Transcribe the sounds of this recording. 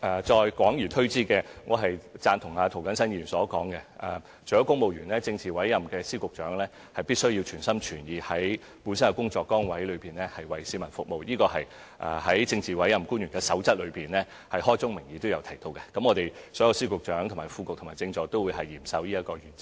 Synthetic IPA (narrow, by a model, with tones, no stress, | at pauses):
ʔɛː˨˧t͡ʃɔː˧jkʷɔː˨˥ŋjy˨˩t̪ʰɵ˥ɥt͡siː˥kɛː˧ŋɔː˨˧ɦɐ˨jt͡saː˧nt̪ʰʊ˨˩ŋaː˧t̪ʰo˨˩wkɐ˨˥nsɐ˥niː˨˩nsɔː˨˥kɔː˨˥ŋkɛ˧ʔɐː˨˧ | t͡ʃʰɵ˨jɐ˨˥wkʊ˥ŋmo˨wɥyː˨˩nlɛː˥t͡sɪ˧ŋt͡siː˨wɐ˨˥jːɐ˨mkɛː˧siː˥kʊ˨k̚t͡ʃœː˨˥ŋlɛː˥ | hɐ˨jpiː˥t̚sɵ˥ɥji˧wt͡ʃʰyː˨˩nsɐ˥mt͡ʃʰyː˨˩njiː˨˧hɐ˨˥j | puː˨˥ns̬ɐ˥nɛ˧kʊ˥ŋt͡sɔː˧kːɔː˥ŋwɐ˨˥jlɵ˨˧piː˨nlɛː˥hɐ˨jwɐ˨˩jsiː˨˧˥mɐ˨˩nfʊ˨k̚mo˨˧wjiː˥kɔː˧hɐ˨j | ʔɐ̰ː˨˧hɐ˨˥jt͡sɪ˧ŋt͡siː˨wɐ˨˥jɐ˨mkuː˥njy˨˩kɛː˧sɐ˨˥wt͡sɐ˥t̚lɵ˨˧ɥpiː˨nlɛː˥ | hɐ˨jhɔː˥jt͡sʊ˥ŋmɪ˨˩ŋjiː˨˧t̪o˥wjɐ˨˧wtʰjt̪o˧wkɛ˧kɐ˨˥mŋɔː˨˧t̪e˨˩jsɔː˨˥jɐ˧wsiː˥kʊ˨k̚t͡ʃœː˨˥ŋt̪ʰʊ˨˩maː˨˩jfuː˧kʊ˨k̚tʰʊ˨˩maː˨˩t͡sɪ˧ŋt͡ʃɔː˨˧t̪o˥wuː˨˧jɦɐ˨jːiː˨˩msɐ˧wjiː˥ɐ˥t̚kɔː˧jyː˨˩nt͡sɪ˥